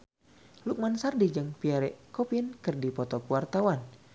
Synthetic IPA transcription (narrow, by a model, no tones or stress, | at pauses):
luk̚mansardid͡ʒəŋpiaɾɛʔkɔpinkɨrdipɔt̪ɔkəwart̪awan